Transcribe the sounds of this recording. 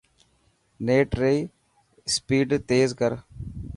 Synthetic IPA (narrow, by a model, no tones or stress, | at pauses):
neːʈɾei | spiːɖt̪eːzkəɾ